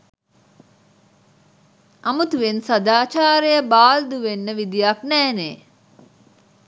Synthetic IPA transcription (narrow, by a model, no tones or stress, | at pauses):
ʔɐmut̪uʋensɐd̪aːt͡ʃaːɾejəbaːld̪uʋenːəʋid̪ijɐknɛːneː